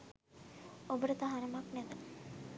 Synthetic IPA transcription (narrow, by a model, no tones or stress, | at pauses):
obəɾət̪aɦanɐmaknɛt̪a